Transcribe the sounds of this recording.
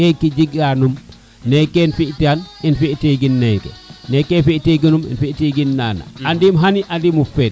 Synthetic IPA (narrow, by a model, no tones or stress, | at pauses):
kɛkid͡ʒiɡanum | nɛkenfiʔtianinfiʔtiɡinːɛjkḛnɛkefiʔtiɡ̬inumḭnfiʔtiɡinːa̰ːna̰andimɦaniʔandimufɛːt̚